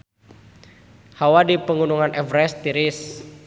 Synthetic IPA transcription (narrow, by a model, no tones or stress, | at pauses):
hawadipəŋunuŋanʔɛvɾɛst̪iɾɪs